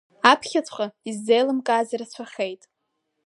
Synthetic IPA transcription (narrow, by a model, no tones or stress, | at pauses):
apʰχʲat͡sʰχaizːejlɨmkʼaːzirat͡ɕʷʰaχʲejtʼ